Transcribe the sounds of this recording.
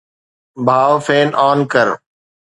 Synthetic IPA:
bʱaːʋfʰeːnʔaːnkəɾ

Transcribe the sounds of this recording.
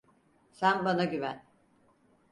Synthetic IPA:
sænbanaɟyvæn

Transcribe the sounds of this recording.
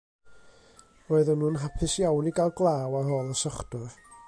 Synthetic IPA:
roːɨðənuːnɦapʰɨsjawniɡalˠɡlˠaːwarɦɔːlˠəsɔχdʊr

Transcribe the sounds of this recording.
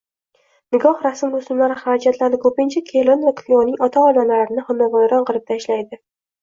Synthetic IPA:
nɪɡɒhɾasɪmɾʊsʊmlaɾɪχaɾad͡ʒat̪laɾnɪkʰɵpɪnt͡ʃʰakʲʰelonvakʰlʲionɪŋɒt̪ʰaɒd̪amlaɾɪnɪhamːavajɾɒnqʰɨlˠɪp̚t̪ʰaʃlajd̪ɪ

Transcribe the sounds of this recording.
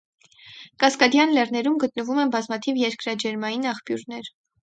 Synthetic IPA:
kɑskɑd̪jɑnlɛrnɛɾumɡət̪̚nəvumɛnbɑzmɑt̪ʰivjɛɾkɾɑd͡ʒɛɾmɑjinɑχpjuɾnɛɾ

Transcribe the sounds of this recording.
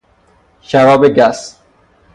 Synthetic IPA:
ʃævɒːbeɡæs

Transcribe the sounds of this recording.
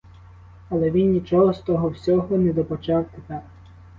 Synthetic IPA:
ɐlˠɛʋʲinnʲit͡ʃɔɦɔst̪ɔɦɔwsʲɔɦɔnɛd̪ɔpɔt͡ʃɑwt̪ep̪ɛ

